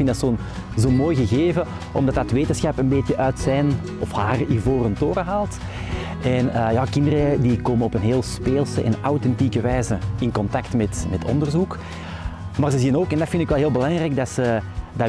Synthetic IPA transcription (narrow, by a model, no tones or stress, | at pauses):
fɪntdɑtsoːn | zoːmoːjɣəɣeːvə | ɔ̰mdɑtɑtʋeːtənsxɑpənbeːtjəʔœːtsɛn | ɔfhaːrivoːrəntoːɾəɦaːlˠt | ɛnəjɑːkɪndəɾədikoːmənɔpənɦeːlˠspeːlˠsəɛ̰nawtɛntikəʋɛːjzəɪnkɔntɑktmɛtmɛtʰɔ̰ndərzuk | maːrzəziənoːkɛndɑtfɪndɪkʋɛlˠɦeːlˠbəlɑŋrɛːɡ̚dɑtsədɑ